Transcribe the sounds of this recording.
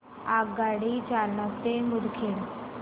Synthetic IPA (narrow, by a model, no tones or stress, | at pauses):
aɡaɽit͡ɕalnat̪emud̪ʱkʰeɽ